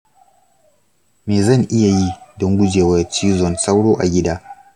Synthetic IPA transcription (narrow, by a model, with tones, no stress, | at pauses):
meː˨zɐ˦˨ŋʔɪ˦ja˨ji˦dɔ˦ŋɡʷʊ˦d͡ʒeː˨wɐ˦t͡ʃiː˦zɔ˨nsa˦wɽoː˦ʔa̰˨ɡʲɪ˦daː˦